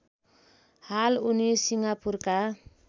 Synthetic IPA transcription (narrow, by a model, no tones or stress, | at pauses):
halunisiŋapurka